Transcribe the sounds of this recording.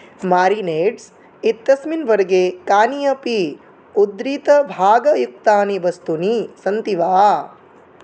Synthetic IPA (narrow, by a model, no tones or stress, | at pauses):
maːɾineːɖs | it̪ːɐsminʋɐɾɡeːkaːnijɐpi | ud̪ɾit̪ɐbʱaːɡɐjuk̚t̪aːniʋɐst̪unisɐnt̪iʋaː